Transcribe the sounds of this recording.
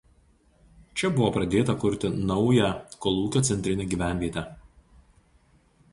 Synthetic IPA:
t͡ʃʲɛbʊʋoːpɾɐd̪ʲeːt̪ɐkʊɾʲt̪ʲɪnɒʊjæˑkɔlˠuːkʲoːt̪sʲɛnʲt̪ʲɾʲɪnʲeːɡʲiːʋʲæˑnʲʋʲiɛt̪ʲɛ

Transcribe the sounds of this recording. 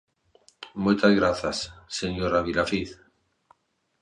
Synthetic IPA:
mujt̪azɣɾaθasːeɲoɾaβilafiθ

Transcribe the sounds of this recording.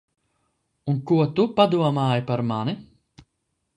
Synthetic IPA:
uŋkuat̪upad̪uamaːepaɾmane

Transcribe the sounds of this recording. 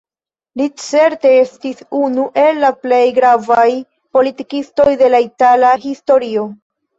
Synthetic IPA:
lit͡se̞ɾte̞estisunuʔe̞lːaple̞jɡɾavaj | po̞litikisto̞jde̞laitalaɦisto̞ɾio̞

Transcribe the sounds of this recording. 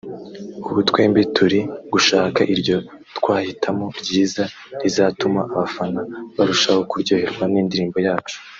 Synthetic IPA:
uβutwe̞ːmbitʰuɾiɡuʃaːkaʔiɾjo̞ | tkwaːhitʰamo̞ɾɟiːza | ɾizatumaʔaβafanaβaɾuʃaho̞kuɾɟo̞ːhe̞ɾɡwaniːndiɾiːmbo̞jaːt͡ʃu̥

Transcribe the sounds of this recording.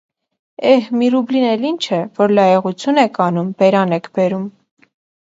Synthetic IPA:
ɛhmiɾublinɛlint͡ʃʰəvɔɾlɑjɛʁut͡sʰjunɛkʰɑnumbɛɾɑnɛkʰbɛɾum

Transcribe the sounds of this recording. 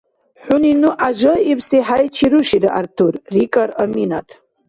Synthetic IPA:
ħʷʊninuʔaʒɨipʰsiħajt͡ʃʰiɾuʃiɾaʔartʰurrikʼaɾaminatʰʼ

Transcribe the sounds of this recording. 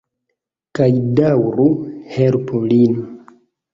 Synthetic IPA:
kajdawɾuhelpʰolin

